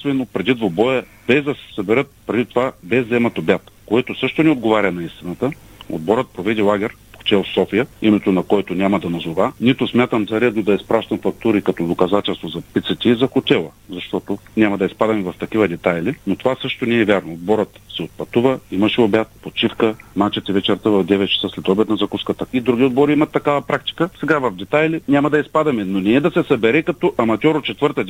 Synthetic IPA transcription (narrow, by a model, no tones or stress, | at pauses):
svɛnot̪̚pɾɛd̪id̪vobɔjɛ | b̥ɛzd̪ɐsɛ̥sɐbɛɾɤt̪̚pɾɛd̪it̪ovabɛzɛmɐt̪obʲat̪koɛt̪osɤʃt̪onɛod̪ɡovaɾʲɐnɐist̪inət̪ə | o̰d̪bɔɾət̪̚pɾovɛd̪ilˠaɡʲɛɾ | ko̥t̪ɛlˠfsɔfijəimɛt̪onɐkɔɛt̪onʲamɐd̪ɐnɐzovanit̪ʊsmʲjat̪əmzɐɾɛd̪nod̪ɐispɾaʃt̪ɐmfɐk̚t̪uɾikɐt̪ɔd̪okɐzat̪ɛlˠst̪vozɐpit̪sət̪ʲɛizɐxot̪ʲɛlˠə | zɐʃt̪ɔt̪onʲamɐd̪ɐispad̪ɐmɛvɐft̪ɐkivɐd̪ɛt̪ajlinot̪ovasɤʃt̪oniːvʲjaɾnoːd̪̚bɔɾət̪sɛot̪̚pɐt̪uvəimɐʃɛobʲat̪̚pot̪t͡ʃifkəmat͡ʃɛt̪ivɛt͡ʃɛɾt̪əvɐvd̪ɛvɛt̪t͡ʃɐ̥səslɛd̪ɔblɛt̪nɐzɐkuskət̪əid̪ɾuɡʲiod̪̚bɔɾiimɐt̪ːɐkavɐpɾak̚t̪i̥kəsɛɡavɐvd̪ɛt̪ajlinʲamɐd̪ɐispad̪ɐmɛnonɛːd̪ɐsɛsɐbɛɾɛkɐt̪ɔʔɐmɐt̪ʲɔɾot̪t͡ʃɛt̪vəɾt̪ə